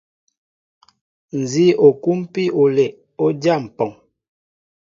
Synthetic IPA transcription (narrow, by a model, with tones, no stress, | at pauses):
n̩˨zi˦o˨ku˦m˦pi˦o˨le˨ | o˦dja˦˨m̩˨pɔ˨ŋ